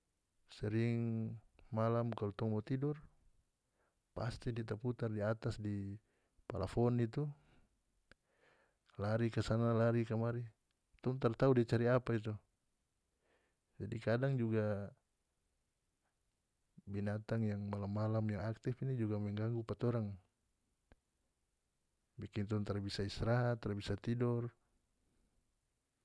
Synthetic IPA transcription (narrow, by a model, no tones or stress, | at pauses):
sɛɾiŋ | malamkalut̪ɔŋmɔt̪idɔr | past̪idit̪aput̪ardiat̪asdi | palafɔnit̪u | laɾikasanalaɾikamaɾi | t̪ɔŋt̪art̪audiat͡ʃaɾiapait̪̬u | d͡ʒadikadaŋd͡ʒuɡa | binat̪aŋjaŋmalamːalamjaŋak̚t̪ifinid͡ʒuɡamɛŋɡaŋɡupat̪ɔɾaŋ | bikint̪ɔunt̪arbisaisɾaɦat̪ːaɾbisat̪idɔr